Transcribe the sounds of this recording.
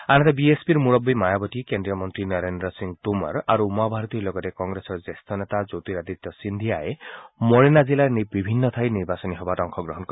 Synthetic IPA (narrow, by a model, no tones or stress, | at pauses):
añt̪ebiespiɾmuɭɔbimajabɔt̪ikendɾijɔmɔnt̪ɾinaɾendɾɔsiŋɡt̪umɔ̰ɾaɾuːmabʱaɾɔt̪iɔlɔɡɔt̪ekɔŋɡɾesɔɾd͡ʒest̪ʰɔnet̪ad͡ʒowt̪iɾad̪it̪ːɔsind̪ʱiaemɔɾinazilaɾnibibʱinːɔt̪ʰajniɾbasɔniɦɔbatɔŋkʰɔɡɾɔɦɔnk